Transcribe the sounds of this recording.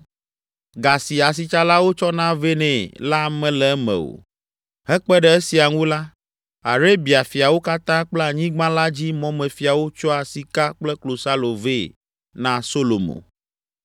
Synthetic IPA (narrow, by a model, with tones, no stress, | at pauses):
ɡa˨si˨a˨s̬i˨t͡ʃa˦la˦wo˦t͡ʃɔ˦nã˦ve˦nɛ̃˨la˦mɛ̃˨lɛ˨ɛ˦mɛ̰̃˨wo̰˨ | ɦɛ˦k͡pɛ˦ɖɛ˨e˦si˨a˨ŋũ˦la˦ | a˨ɾe˦bi˨a˨fi˨a˨wo˦ka˦t̪ã˦k͡plɛ˦a˨ɲĩ˦ɡ͡bã˦la˦d͡ʑi˦mɔ̃˦mɛ̃˨fi˨a˨wo˦t͡ʃɔ˦a˨si˨ka˦k͡plɛ˦klo˨sa˦lo˨ve˦ | nã˦so˦lo˨mõ̰˨